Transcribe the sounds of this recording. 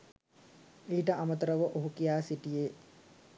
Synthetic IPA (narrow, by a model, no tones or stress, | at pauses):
iːʈəʔamət̪ɐɾəʋəʔoɦukijaːsiʈijeː